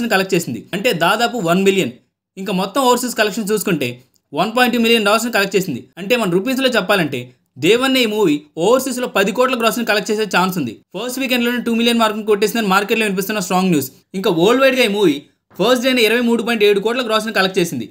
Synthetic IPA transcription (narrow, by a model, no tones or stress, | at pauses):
ɐnikɐlɐkʈ̚t͡ʃe̞ːsind̪iɐɳʈe̞ːd̪aːd̪aːpuʋɐnmiljɐn | iŋkaːmɔt̪ːɐmɔːʋɐɾsiskɐlɐkʂɐnt͡ʃuːsu̥kuɳʈe̞ː | ʋɐnp̬aːjɳʈːuːmilijɐnɖaːlɐɾsnukɐlɐkʈ̚t͡ʃeːsind̪iɐɳʈe̞ːmɐnɐmɾup̬iːs̬lo̞ːt͡ʃɛpːaːlɐɳʈe̞ː | d̪eːʋɐnːeːiːmuːʋiɔːʋɐɾsis̬lo̞ːpɐd̪ikɔːʈlɐɡɾoːsɐnkɐlɐk̚ʈ̚t͡ʃeːseːt͡ʃaːnsund̪ipʰɐɾsʈʋiːk̬eɳɖlo̞ːneʈuːmilijɐnmaːɾkɐmkoʈːeːsinɐnimaːɾkeʈloːʋinip̬ist̪unːɐsʈɾaːŋɡnjuːs | iŋkaːoːlʋɐjʈɡaːiːmuːʋi | pʰɐs̬ʈɖejneːiɾɐʋɐjmuːɽup̬aːjiɳʈeːɽukɔːʈlɐɡɾɔːs̬ɐnkɐlɐkʈ̚t͡ʃe̞ːsind̪i